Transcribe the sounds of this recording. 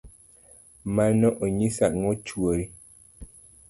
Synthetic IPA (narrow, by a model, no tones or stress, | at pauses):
manɔʔoɲisaʔ̚ŋɔt͡ʃwoɾi